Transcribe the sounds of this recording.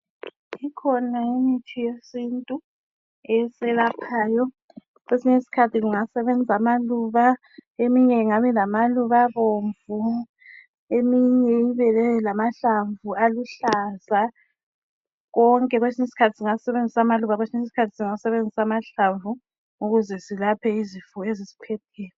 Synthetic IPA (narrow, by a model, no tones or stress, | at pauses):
ikʰɔnaimitʰijesintʼu | ɛsɛlapʰaːjɔ | ɣwesinesi̥kʰatʰiɣuŋasɛβenʱamaluːβa | emiɲɛiŋaβɛlamaluβaβoɱvu | emiɲɛiβɛlɛlamaɬaɱvualuɬaza | ɣɔŋkʼɛɣwesinesi̥kʰatʰi̥siŋausɛβend͡zʱisamaluβaɣwesinesisi̥kʰatʰi̥siŋasɛβend͡zʱisamaɬaɱvu | uɣuzɛsilapʰɛizifuezizi̥pʰɛtʰɛːlɛ